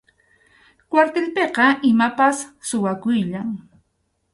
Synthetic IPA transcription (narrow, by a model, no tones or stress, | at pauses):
kwaɾt̪elpeqɑʔɪmapasːʊwakʊjʎaŋ